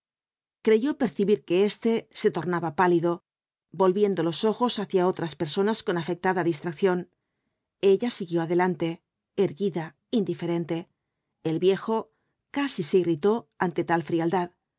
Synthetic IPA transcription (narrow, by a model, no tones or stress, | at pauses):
kɾe̞ʝo̞pe̞ɾθiβiɾke̞e̞st̪e̞se̞t̪o̞ɾnaβapaliðo̞ | bo̞lβje̞nd̪o̞loso̞xo̞saθjao̞t̪ɾaspe̞ɾso̞nasko̞nafe̞k̚t̪aðaðist̪ɾak̚θjo̞n | e̞ʎasiɣjo̞aðe̞lant̪e̞ | eɾɣiða | ind̪ife̞ɾe̞nt̪e̞ː | lβje̞xo̞ | kasise̞irit̪o̞ant̪e̞t̪alfɾiald̪að